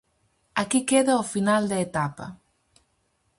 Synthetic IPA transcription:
ɐkikeðɐʊfinald̪ɐet̪apɐ̰

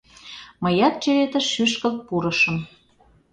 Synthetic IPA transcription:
məjɑt̪̚t͡ɕeβet̪ə̆ʃyʃkəlt̪̚puɾə̆ʃə̆m

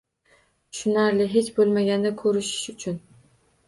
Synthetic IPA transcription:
ʃʊnaɾlɪɦet͡ʃbolˠmaɡʲand̪akʰɵɾɪʃɪ̥ʃʊt͡ʃʰʊn

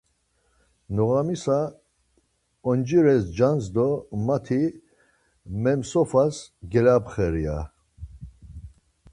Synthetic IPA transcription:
nɔɣamisa | ɔnd͡ʒiɾɛsd͡ʒanzd̪ɔmat̪ʰi | mɛmsɔfasɡɛlapχɛɾia

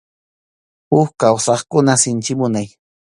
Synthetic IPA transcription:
ʊxkawsɑχkʊnasɪnt͡ʃɪmʊnaj

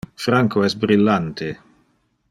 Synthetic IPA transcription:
fɾaŋkʰoɛsbɾilːant̪ʰe

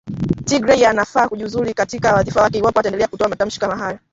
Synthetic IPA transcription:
tiɡɾɛianafaːkuʄuuzuɾikatikawaðifawakɛiwapɔataɛndɛlɛakutɔamatam̩ʃi̥kamaɦala

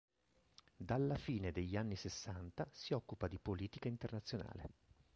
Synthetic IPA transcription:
d̪alːafiːned̪eʎːanːisesːant̪asiɔkːupad̪ipoliːt̪ikaint̪ernat̪sːjona̰ːlḛ

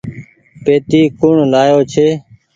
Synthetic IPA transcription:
peːt̪iːkʊɳlaːjoːt͡ʃʰeː

